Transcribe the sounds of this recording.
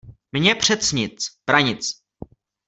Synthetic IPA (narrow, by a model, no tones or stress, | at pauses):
mɲɛpr̝̥ɛt̪t͡sɲɪt͡sb̥ɾaɲɪt͡s